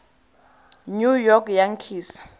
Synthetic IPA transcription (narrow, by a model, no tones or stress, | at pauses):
ɲujɔkʰjaŋkʰiːsḁ